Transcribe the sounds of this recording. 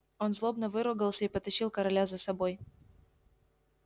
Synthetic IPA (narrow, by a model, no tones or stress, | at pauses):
o̞nzlˠo̞bnəvɨɾʊɡəlˠsʲəipət̪ɐɕilˠkəɾɐlʲazəsɐboj